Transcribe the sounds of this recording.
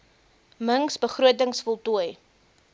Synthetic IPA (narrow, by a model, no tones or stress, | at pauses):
məŋsbəχruətəŋsfɔlˠtuəj